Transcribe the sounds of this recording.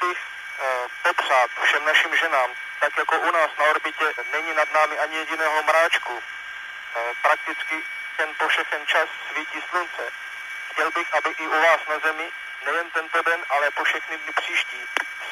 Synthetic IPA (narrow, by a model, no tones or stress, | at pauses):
bɪx | popr̥aːt̪fʃɛmnaʃɪmʒɛnaːm | t̪akjakoʔunaːsnaoɾbɪcɛnɛɲinad̪naːmɪʔaɲɪjɛɟɪnɛːɦomɾaːt͡ʃku | pɾak̚t̪ɪt͡skɪ | t̪ɛnpofʃɛxɛnt͡ʃasːviːciːslunt͡sɛ | xcɛlbɪxʔabɪʔɪʔuvaːsnazɛmɪ | nɛjɛnt̪ɛnt̪odɛnʔalɛpofʃɛxnɪvnɪpr̝̥iːʃciː